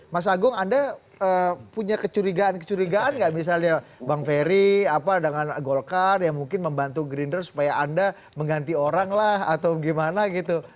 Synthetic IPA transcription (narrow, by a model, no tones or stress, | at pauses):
mas̬aɡʊŋanda | əpuɲakət͡ʃuɾiɡaankət͡ʃuɾiɡaʔanɡaʔmis̬alɲabaŋfeɾiapadəŋanɡolkarjaŋmuŋkɪnməmbant̪uɡɾindərsu̥pajaanda | məŋɡant̪ioɾaŋlaha̰t̪awɡimanaɡit̪u